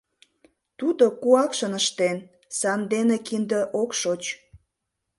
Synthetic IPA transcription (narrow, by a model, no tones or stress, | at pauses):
t̪ud̪okuɑkʃənəʃt̪en | sɑnd̪enekind̪əʔokʃot͡ɕ